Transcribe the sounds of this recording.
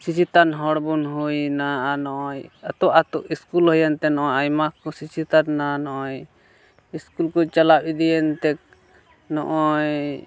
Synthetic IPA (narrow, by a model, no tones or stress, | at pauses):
sit͡ʃʰit̪anɦɔɽbunɦujnaanɔʔɔjat̪ɔʔat̪uʔiskulɦəjant̪ɛnɔʔɔjajmakɔsit͡ʃʰit̪annanɔʔɔj | iskulkɔt͡ʃalab̚id̪ijɛnt̪ɛk̚ | nɔ̰ʔɔj